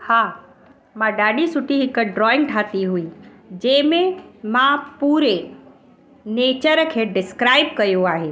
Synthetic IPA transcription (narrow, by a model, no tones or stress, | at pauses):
haː | mãɖaːɗisʊʈiɦɪkɖɾɔːɪ̃ŋɡ̚ʈʰaːt̪iɦuiː | d͡ʑɐɦɪ̃mẽmãpuːɾe | neːt͡ɕəɾkʰeːɖɪskɾaːɪb̚kɐjoaːɦeː